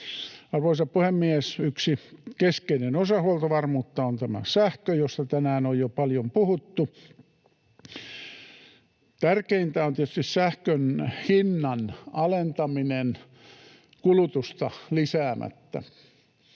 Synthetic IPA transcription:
ɑrʋoisɑppuhemːiesyksikeskeinenosɑhuɑlt̪ɑʋɑrmuːt̪ːɑont̪æmæ̰sæhkøjost̪ɑt̪ænæːnojjopɑljompuhut̪ːu | t̪ærkeint̪æont̪iet̪yst̪issæhkønhinːɑnɑlent̪ɑminen | kulut̪ust̪ɑlisæːmʔæ̰t̪ːæ̰

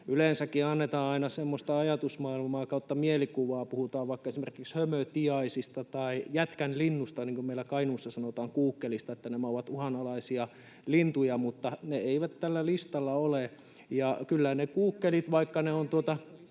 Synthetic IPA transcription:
yleˑnsækːiɑnːet̪ɑːnɑinɑsemːost̪ɑɑjɑt̪usmɑilmɑːkɑuot̪ːɑmielikuʋɑːpuhut̪ɑːʋʋɑikːɑesimerkikshømøt̪iɑisist̪ɑt̪ɑijæt̪kænlinːust̪ɑniːŋkummeilːˑækɑinuːsːɑsɑnot̪ɑːŋkuːkːelist̪ɑet̪ːænæmæoʋɑt̪uhɑnɑlɑisiɑ | lint̪ujɑmut̪ːɑneeiʋæt̪t̪ælːælist̪ɑlːɑole | jɑkylːænekuːkːelit̪ʋɑikːɑneont̪uot̪ɑ

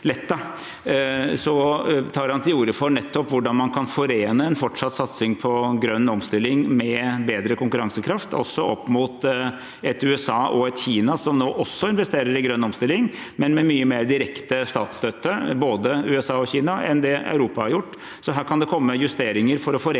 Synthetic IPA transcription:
lɛt̪ːɑ | sɔt̪ʰɑːɾhɑnt̪ʰɪuːɾəfɔnɛt̪ːɔpʋʊɖɑnmɑnkʰɑnfɔɾeːnəɛnfɔʈʂɑt̪ːsɑt̪sɪŋpʰɔɡɾœnːɔmst̪ɪlːɪŋmɛbeːd̪ɾəkʰʊŋkʉɾɑŋsəkʰɾɑft̪ʰɔ̰sːɔʔɔpːmuːt̪ | ɛt̪ʉɛsɑːʔɔɛt̪çiːnɑsɔmnoːʔɔsːɔɪnʋɛst̪eːɾəɾɪɡɾœnːɔmst̪ɪlːɪŋ | mɛnmɛmyːəmeːɾd̪ɪɾɛkt̪əst̪ɑːt̪st̪øːt̪ːəboːd̪əʉːɛsɑːɔçiːnɑɛ̰nd̪ɛ̰ʉɾuːpɑhɑɾjʊʈː | sɔɦæːɾkʰɑnd̪ɛkʰɔmːəjʉst̪eːɾɪŋəɾfɔɾɔfɔɾ

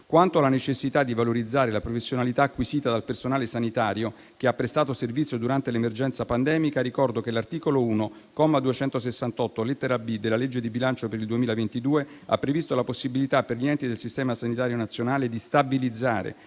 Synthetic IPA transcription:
kwant̪oalanet͡ʃesːit̪ad̪ːivaloɾid̪zːaːɾelapɾofesːjonalit̪aːkːwisiːt̪ad̪alpersonaːlesanit̪aːɾjo | keapːɾest̪aːt̪oservit̪sjod̪uɾant̪elemerd͡ʒɛnt̪sapand̪ɛːmikarikɔrd̪ok̟elart̪iːkolouːno | kɔmːad̪uet͡ʃɛnt̪osesːant̪ɔt̪ːolet̪ːeɾabid̪elːaled͡ʒːed̪ibilant͡ʃopeɾild̪uemiːlavent̪id̪uːe | a̰pːɾevist̪olaposːibilit̪apːerʎiɛnt̪id̪elsist̪ɛːmasanit̪aːɾjonat̪sːjonaːled̪ist̪abilid̪zːaːɾḛ

